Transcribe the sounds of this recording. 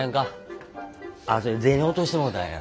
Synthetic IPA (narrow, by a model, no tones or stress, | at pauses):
ãŋka | asoɾed͡zẽñot̪oɕi̥t̪emod̪a̰ɲã̰